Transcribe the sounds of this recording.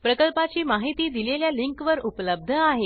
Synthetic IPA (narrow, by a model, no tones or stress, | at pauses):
pɾəkəlpat͡ɕiːmaɦit̪iːd̪ileljaliŋkʋəɾupləb̚d̪ʱəaɦe